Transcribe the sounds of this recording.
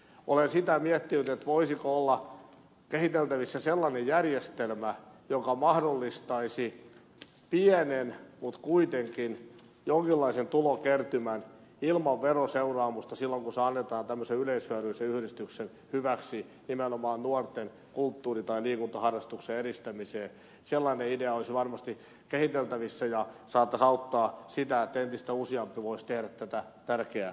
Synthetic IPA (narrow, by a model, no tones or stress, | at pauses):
ʔolensit̪æmiɛt̪ːinyt̪et̪ʋoisikoolːɑ | kehit̪elt̪æʋisːæselːɑnejjærjest̪elmæjokɑmɑhdolːist̪ɑisi | pienenmut̪kuit̪eŋkin | joŋkilːɑisent̪ulokert̪ymænilmɑʋʋeroseurɑːmust̪ɑsilːoŋkuseɑnːet̪ɑːnt̪æmːøseyleishyæryiseyhɾist̪yksen | hyʋæksinimenomɑːnnuort̪en | kult̪ːuːrit̪ɑiliːkunt̪ɑhɑrːɑst̪ukseeɾist̪æmiseː | selːɑineideɑoisʋɑrmɑst̪i | kehit̪elt̪æʋisːæjɑsɑːt̪ːɑsɑut̪ːɑːsit̪æet̪ːent̪ist̪æusiɑmpiʋoist̪ehɾæt̪t̪æt̪æt̪ærkeæ